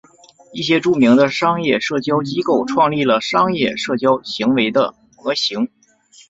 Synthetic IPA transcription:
i˥˩ɕjɛ˥ʈ͡ʂu˥˩mi˧˥ŋd̪ə˧ʂɑ˥ŋjɛ˥˧ʂɤ˥˩t͡ɕjɑ˥ʊt͡ɕi˥ko˥˩ʊʈ͡ʂʰwɑ˥˧ŋli˥˩lə˩ʂɑ˥ŋjɛ˥˧ʂɤ˥˩t͡ɕjɑ˥ʊɕi˧˥ŋwe˧˥ɪd̪ə̰˧ | ɤ˧˥ɕi˧˥ŋ

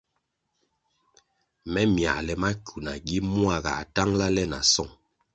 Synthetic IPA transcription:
mɛ˦mja̰˨lɛ˨ma˦ku˨na˨ɡi˦mu˦a˦˨ɡa̰˨ta˦ŋla˦lɛ˦na˨sɔ˦˨ŋ

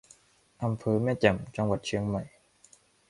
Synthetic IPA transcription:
ʔa˧mpʰɤː˧mɛː˥˩t͡ɕɛ˨˩mt͡ɕa˧ŋwa˨˩t̪̚t͡ɕʰɯ˧əŋma˨˩j

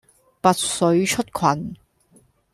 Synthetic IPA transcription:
pɐ˨t̚sɵ˨˥ɥt͡ʃʰɵ˥t̚kʰwɐ˨˩n

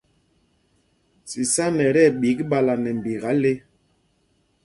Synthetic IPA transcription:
si˨sa˦nɛ˨ɾɛ˦˨ɓi˨˦kɓa˦la˨nɛ˨m̩˨bi˨ɣa˨˦le˦

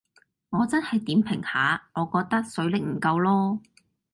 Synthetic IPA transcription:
ŋɔː˨˧t͡sɐ˥nhɐ˨jt̪iː˨˥mpʰɪ˨˩ŋhaː˨˧ŋɔː˨˧kɔː˧k̚t̪ɐ˥k̚sɵ˨˥ɥlɪ˨k̚m̩˨˩kɐ˧wlɔː˥

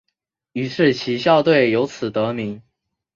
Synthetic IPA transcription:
y˧˨˩ʂɻ̩˥˩t͡ɕʰi˧˥ɕjɑ˥˧ʊt̪̬we˥˩ɪjo˧˥ʊt͡sʰɹ̩˨˩t̪ɤ˧˥mi˧˥ŋ

